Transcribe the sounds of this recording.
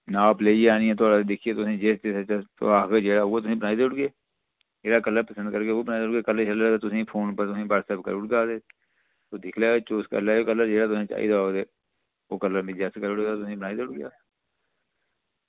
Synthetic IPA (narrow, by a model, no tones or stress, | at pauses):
naːpleːiaːniːɛ̃ːt̪ʊaːɽaːed̪ɪkʰieːt̪ʊsĩːd͡ʒeːst̪eːsət͡ʃaːtaːkeːd͡ʒeːɽaːɦoːaːt̪ʊsĩːbənaːid̪eːʊʈɡeː | d͡ʒeːɽaːkəlːəɾpəsə̃nd̪̚kəɾkeoːbənaːid̪eʊɡeːkələɾt͡ʃəlːet̪ʊsĩːpʰoːnpəɾt̪ʊsĩːpəɽsəbkə̰ɾʊɽɡaːd̪eː | t̪oːd̪ɪkʰleːet͡ʃoːskə̰ɾlaːoːkələɾd͡ʒeːɽaːt̪ʊsĩːt͡ʃa̰ːḭːd̪aːɦoːd̪eː | oːkəlːəɾmɪd͡ʒaːsekəɾʊɽeːt̪aːt̪ʊsĩːbənaːid̪eʊʈɡɪjaː